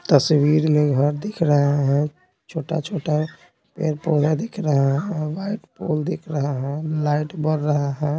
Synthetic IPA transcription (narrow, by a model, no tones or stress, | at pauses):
t̪əswiɾmeɡʱəɾd̪ikʰɾəɦeɦɛ̃ | t͡ʃʰoʈa̰t͡ʃʰoʈa | pḛɾpoled̪ikʰɾəɦeɦɛ̃ʋaiʈpo̰ld̪ikʰɾəɦəɦɛ̃laɪʈbəɾːəɦəɦɛ̃